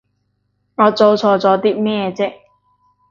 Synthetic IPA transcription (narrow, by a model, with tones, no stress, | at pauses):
ŋɔː˨˧t͡so˧wt͡sʰɔː˨˧t͡sɔː˨˧t̪iː˦˥mɛː˥˧t͡sɪ˥k̚